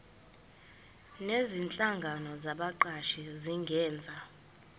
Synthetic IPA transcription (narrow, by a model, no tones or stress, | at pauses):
nezint͡ɬʼaŋɡʱanɔzaɓaǃaʃiziŋɡʱɛːnd͡zʱa